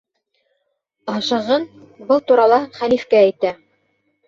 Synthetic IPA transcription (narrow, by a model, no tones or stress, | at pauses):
ɑʃɤ̆ʁɤn | bɤlˠt̪uɾɑlˠɑχælifkææjt̪æ